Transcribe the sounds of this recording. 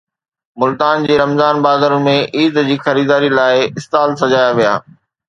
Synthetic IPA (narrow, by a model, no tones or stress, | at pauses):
mʊlt̪aːnd͡ʑeːɾɐmzaːnbaːd̪əɾʊn̆mẽʔiːd̪d͡ʑiːxɐɾiːd̪aːɾilaːɪɪst̪aːlsɐd͡ʑaːjaʋija̰ː